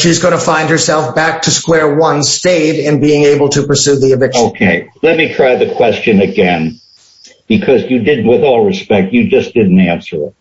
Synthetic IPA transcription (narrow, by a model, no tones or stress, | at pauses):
ʃizɡõnɨfãɪ̃nd̚hə˞sɛlˠfb̥æk̚tʰɨskwɛɹwʌ̃nsteɪɾɪ̃nbiɪ̃ŋeɪbl̩ˠtʰɨpə˞sʉðiɨvɪkoʊkʰeɪlɛt̚mitʰɹ̥aɪðɨkʰw̥ɛst͡ʃɨ̃nɨɡɛ̃n | b̥ɨkʰʌzjɨdɪdⁿn̩ʔ̚wɨðɔlˠɹɨspɛk̚tjɨd͡ʒʌsd̥ɪdⁿn̩tæ̃nsə˞ɪ̰t̚